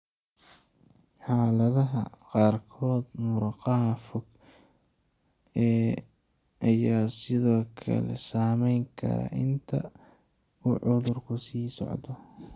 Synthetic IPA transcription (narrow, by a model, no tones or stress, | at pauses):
ħɑːlɐðɐɦɐqɑːrkʰɔːd̪mʊɾɑqɑɦɐfʊɡ | ɛː | ʔɐjaːsɪðɔːkʰɐ̰lɛ̰saːmɛjŋkʰɐ̰ɾɐ̰ʔɪnt̪ʰɐ | uːʕʊðʊrkʰʊsiːsɔ̰ʕd̪ɔ